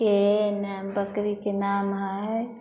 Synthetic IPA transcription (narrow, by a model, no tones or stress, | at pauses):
enbəkɾikenaːmɦaj